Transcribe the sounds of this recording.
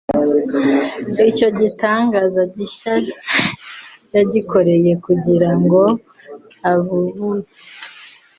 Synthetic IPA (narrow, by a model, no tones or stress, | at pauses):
ico̞ɟitaːŋɡaːzaɟiʃai | jaɟiko̞ɾe̞je̞kuɟiɾaŋɡo̞ | aβuβuɾa